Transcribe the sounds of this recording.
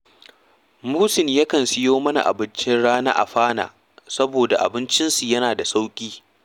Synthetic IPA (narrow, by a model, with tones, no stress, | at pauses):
muː˦sɪ˨nja˦kɐ˨nsɪ˦joː˦mɐ˦na̰˨ʔa̰˨bɪ˦nt͡ʃɪ˦nɽaː˦na̰ː˦ʔa̰˨ɸaː˦na̰ː˨ | sɐ˦boː˨da˨ʔa̰˨bɪ˦nt͡ʃɪ˦nsu˨jɐ˦naː˨da˨sa˦wkʲʼiː˦